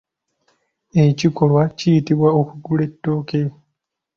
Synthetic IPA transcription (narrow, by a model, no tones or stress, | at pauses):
ecikolwacijitiβwaokuɡule̞tːo̞ːke